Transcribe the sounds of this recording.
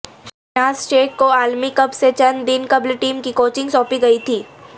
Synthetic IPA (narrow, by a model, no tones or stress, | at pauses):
naːsʈeːʈ̚koaːlmikɐbset͡ʃɐnd̪ɪnkɐblʈiːmkikoːt͡ʃɪ̃ŋɡsɔ̃ːpiɡɐit̪ʰiː